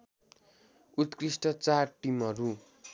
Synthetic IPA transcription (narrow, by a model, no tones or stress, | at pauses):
ut̪krisʈʌt͡sarʈimɦʌɾu